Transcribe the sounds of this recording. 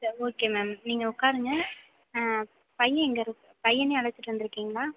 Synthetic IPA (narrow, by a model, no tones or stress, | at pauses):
sɐɾoːkeːmeːmniːŋɡɐʊkːaːɾɯŋɡɐ | pɐjːɐɛŋɡɐɾɯkːɯpɐjːɐneːɐɭɐt͡ʃːɪʈːɾɐnd̪ɪɾɯkːiːŋɡɐlaː